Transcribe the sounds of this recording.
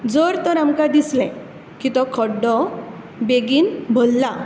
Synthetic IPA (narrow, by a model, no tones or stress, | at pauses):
d͡zəɾt̪ɔɾamkad̪islɛ̃ | kit̪ɔkʰɔɖɔ | beɡiːnbʱolːa